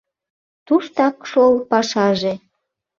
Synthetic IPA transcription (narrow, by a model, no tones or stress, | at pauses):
t̪uʃt̪ɑkʃolpɑʃɑʒe